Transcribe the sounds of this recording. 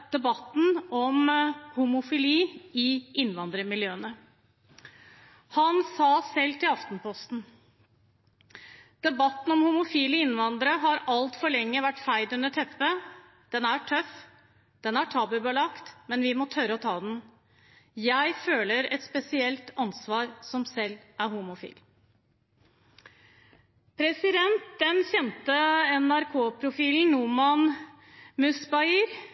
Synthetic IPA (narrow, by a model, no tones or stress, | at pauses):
d̪̥ɛbɑt̪n̩ɔmhʊmʊfɪliːɪʔɪnːʋɑnd̪ɾəmɪljøːənə | hɑnsɑːsɛlt̪ʰɪlɑft̪n̩pʰɔst̪n̩ | d̪̥ɛbɑt̪n̩ɔmhʊmʊfiːlɪɪnʋɑnd̪ɾəɦɑɾɑlt̪fɔɭɛŋːəʋæʈːfæɪd̪ʉnəʈʰɛpːə | d̪̥ɛnæʈʰœf | d̪̥ɛnæʈʰɑːbəbɑlɑkt̪mɛnʋɪmɔt̪ʰœɾəɔt̪ʰɑːd̪n | jæɪføːləɾɛt̪spɛsɪɛlt̪ɑnsʋɑːɾsɔmsɛlːʔæɾhumʊfḭːl | pʰɾɛsɪd̪ɛnt̪̚d̪ɛnçɛnt̪əɛnæɾkʰoːpʰɾʊfiːln̩numɑn | mʉsbɑiɾ